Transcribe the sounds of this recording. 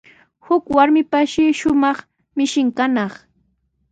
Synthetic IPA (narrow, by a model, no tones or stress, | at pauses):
hʊkwaɾmɪpaʃɪʃʊʊmɑχ | mɪʃɪŋkanɑχ